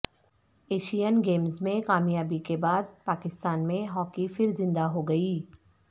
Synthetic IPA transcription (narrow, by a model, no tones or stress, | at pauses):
eːʃijənɡeːmzmẽkaːmjaːbikebaːd̪̚paːkɪst̪aːnmẽɦɔːkifɪɾzɪ̃nd̪aɦoɡɐiː